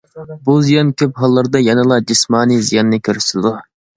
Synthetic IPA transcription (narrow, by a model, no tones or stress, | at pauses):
buzijɑnkʲʰøpɦɑlˠːɑɾd̪ɑjɛnɨlˠɑd͡ʒismɑːnizijɑnːɨkʲʰøɾyʃɪlɪd̪u